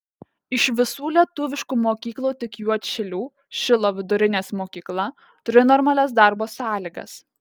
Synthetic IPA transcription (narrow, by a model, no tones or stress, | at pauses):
ɪʃʋʲɪsuːlʲiɛt̪ʊʋʲɪʃkuːmoːkʲiːklˠuːt̪ʲɪkjuɔt̪ʲʃʲɛlʲuː | ʃʲɪlˠoːʋʲɪd̪ʊɾʲɪnʲeːsmoːkʲiːklˠɐ | t̪ʊɾʲɪnɔɾmɐlʲɛsd̪ɑˑɾboːsɑːlʲiːɡɐ̰s